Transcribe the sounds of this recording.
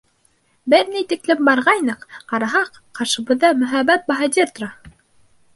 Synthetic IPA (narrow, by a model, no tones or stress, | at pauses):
bɘɾnijt̪iklɘmbɑɾʁɑjnɤqqɑɾɑɦɑq | qɑɾʃɤ̆bɤ̆ðːɑmɵ̆ɦæbːæt̪̚bɑɦɑd̪ʲirt̪rɑ